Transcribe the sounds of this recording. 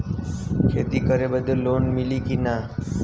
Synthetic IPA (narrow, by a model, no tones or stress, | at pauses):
kʰet̪iːkəɾebəd̪ʱəlːoːnmilikina